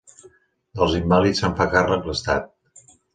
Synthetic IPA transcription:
əlˠzimbalit͡ssəɱfakarəkləst̪a̰t̪̚

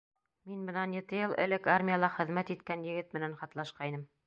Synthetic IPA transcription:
minbɤ̆nɑnjɘ̆t̪ɘjɤlˠʔɘ̰̆lɘkarmʲijalˠɑχɘ̆ðmæt̪it̪kænjɘ̆ɡɘt̪̚mɘ̆nænχɑt̪lˠɑʃqɑjnɤm

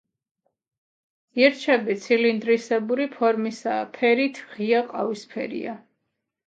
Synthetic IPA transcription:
ɛɾt͡ʃʰɛbit̪sʰilind̪ɾisɛbuɾipʰɔɾmisa̰ːpʰɛɾit̪ʰʁiaqʼavispʰɛ̰ɾḭa

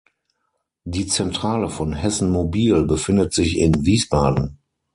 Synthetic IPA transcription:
diːt͡sɛntʁ̥aːləfɔnhɛsn̩mobiːlbəfɪndətz̥ɪçɪnviːsb̥aːdn̩

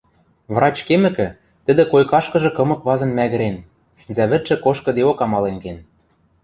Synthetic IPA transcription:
vrɑt͡ɕkemɘ̆kɘ̆ | t̪ɘ̆d̪ɘ̆kojkɑʃkɤ̆ʒɤ̆kɤ̆mɤ̆kβɑzɤ̆nmæɣɘ̆ɾen | sɘ̆nzæβɘ̆t̪ʃɘ̆koʃkɤ̆d̪eokɑmɑlenken

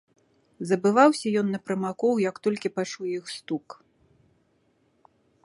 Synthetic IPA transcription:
zɐbɨvawsʲɐjɔnːɐpɾɐmakɔwjɐkt̪ɔlʲkʲipat͡ʂuwjixst̪uk

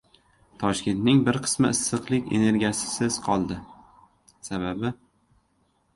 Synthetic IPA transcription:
t̪ʰɒʃkʲe̞nt̪nɪŋbɪɾqʰɨ̥smɪɪsːɨqlˠɪkʲḛne̞ɾɡʲijasɪ̥sɪz̥qʰɒlˠd̪ɪ | saβabɪ

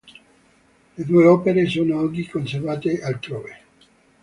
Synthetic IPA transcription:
led̪ueɔːpeɾesoːnoɔɡikons̬ervaːt̪ealt̪ɾoːve

